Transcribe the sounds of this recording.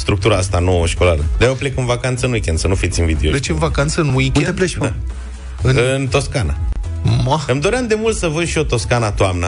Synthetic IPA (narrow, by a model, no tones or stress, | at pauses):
st̪ɾuk̚t̪uɾaast̪anowəʃkolaɾəd̪ajoplekɨnvakant̪səɨnwikʲend̪sənufit̪sʲɨnvid̪eolet͡ʃeɨnvakant̪səɨnwikʲed̪epleʃa | ɨnɨnt̪o̞skana̰maɨmd̪o̞ɾeamd̪e̞mult̪səvəʃio̞t̪o̞skanat̪oamna